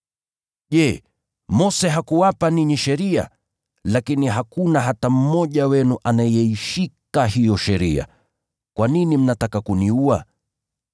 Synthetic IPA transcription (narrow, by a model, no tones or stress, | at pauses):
ʄɛː | mɔsɛɦakuwapaniɲiʃɛɾia̰ | lakiniɦakunaɦatam̩mɔʄawɛnuʔanajɛiʃikaɦijɔʃɛɾia̰ | kwaninim̩natakakuniua